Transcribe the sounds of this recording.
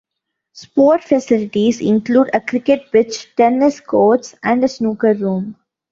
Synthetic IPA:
spoːʈfəsɪlɪʈizɪ̰̃nkluːɖəkɾɪkeʈ̚bɪt͡ʃʈɛnɪskoːʈsæ̃ɳɖəsnuːkəɾːũːm

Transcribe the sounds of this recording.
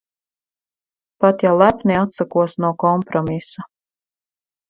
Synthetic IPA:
pat̪jalˠæpniat̪sakuɔsnuɔkɔmpɾɔmisa

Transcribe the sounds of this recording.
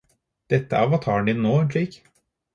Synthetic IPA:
d̪̥ɛt̪ːəʔæʋɑːt̪ʰɑːɳd̪ɪnnoːɛnʂɭiːk

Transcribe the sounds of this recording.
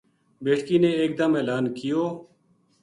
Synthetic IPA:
beːʈkiːnẽːeːk̚d̪əmeːlaːnkɪjoː

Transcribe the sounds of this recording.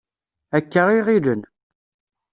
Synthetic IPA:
ækːəʁiʁiɾən

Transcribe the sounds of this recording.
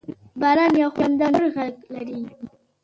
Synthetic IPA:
baɾɑnjawxand̪awnoɾɣaklaɾi

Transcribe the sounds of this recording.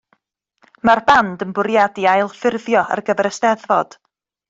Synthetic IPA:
marbandənbʊɾjadiajlˠfɪrðjɔa̰rɡəvɛɾəstɛðvɔd̥

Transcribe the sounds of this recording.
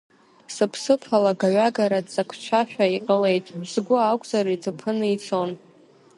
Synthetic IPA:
sɨpʰsɨpʰalaɡaɥaɡaɾadt͡sʼakʷʰt͡ʃʷʰaħᶣaiqʼəle̞jtʼzɡʷʊakʷʼzaritʰɨpʰɨnɨit͡sʰon

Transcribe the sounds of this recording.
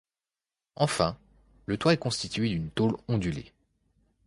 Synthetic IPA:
ɑ̃fɛ̃ | lət̪waɛkɔ̃st̪it̪ɥed̪ynt̪olɔ̃d̪ylḛ

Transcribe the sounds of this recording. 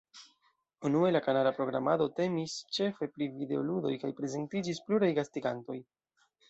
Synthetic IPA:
unue̞lakanalapɾo̞ɡɾamado̞te̞mist͡ʃe̞fe̞pɾivide̞o̞ludo̞̰jkajpɾe̞ze̞ntid͡ʒispluɾajɡastiɡanto̞j

